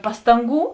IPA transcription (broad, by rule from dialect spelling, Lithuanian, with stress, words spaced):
ˈpɑːstɐŋˌɡuː